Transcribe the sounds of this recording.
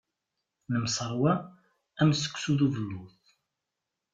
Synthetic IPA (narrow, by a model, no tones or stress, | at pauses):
nəmsˤəɾˤwæ | æmsə̥kʷːsuðuvəlːuθ